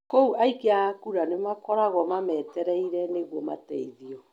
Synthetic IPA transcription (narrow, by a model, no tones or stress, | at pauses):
kouʔaikeakuɾanemakɔɾaɣɔmamɛtɛɾɛiɾɛneɣwɔma̰tɛ̰iðiɔ